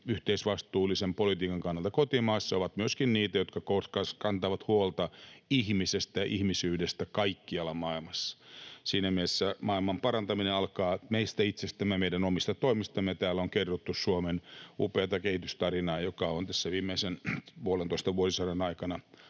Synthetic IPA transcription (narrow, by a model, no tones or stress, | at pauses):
yht̪eisʋɑst̪uːlːˑisempolit̪iːkɑŋkɑnːɑlt̪ɑkot̪imɑːsːɑoʋɑt̪myøskinniːt̪æjot̪kɑkokɑskɑnt̪ɑʋɑt̪huolt̪ɑihmisest̪æʔihmisyːdest̪ækɑikːiɑlːɑmɑilmɑsːɑ̥siːnæmiesːæmɑilmɑmpɑɾɑnt̪ɑmineɑlkɑːmeist̪æit̪sest̪æmːemeiɾænomist̪ɑt̪oimist̪ɑmːejɑt̪æːloŋkerːot̪ːussuomenṵpeːt̪ɑkehit̪yst̪ɑrinɑːjokɑont̪æsːæʋiːmːeisenpuolent̪oist̪ɑʋuosisɑrɑnɑikɑnɑ